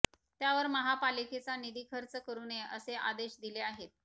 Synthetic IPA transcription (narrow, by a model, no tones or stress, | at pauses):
t̪jaʋəɾməɦapaliket͡sanid̪iːkʰəɾt͡səkəɾuːneəseʔa̰d̪eɕd̪ileaɦet̪̚